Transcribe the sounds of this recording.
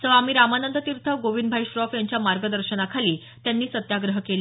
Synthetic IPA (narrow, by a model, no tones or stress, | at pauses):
səʋam̤iːɾamanənd̪ət̪iɾt̪ʰəɡoʋind̪bʱajɕɾɔfjaɲt͡ɕjamaɾɡəd̪əɾɕənakʰaliː | t̪janːiːsət̪jaɡɾəɦkel